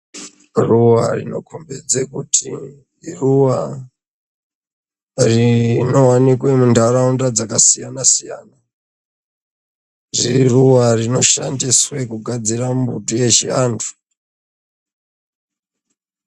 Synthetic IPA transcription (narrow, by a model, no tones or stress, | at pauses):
ruwarḭno̞̰kʰombed͡zekutʰi | ruwa | rino̞wanikwe̞mundaɾaundad͡zakasijanasija̰ːna | riiruwarino̞ʃa̰ndiswe̞kuɡʱad͡zirammbutoje̞ʃiantʰu̥